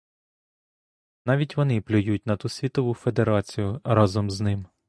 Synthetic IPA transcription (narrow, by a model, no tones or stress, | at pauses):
nɑʋʲitʲʋɔnɪplʲʊjutʲnɐt̪usʲʋʲit̪ɔʋufed̪eɾɑt͡sʲijʊɾɑzɔmznɪm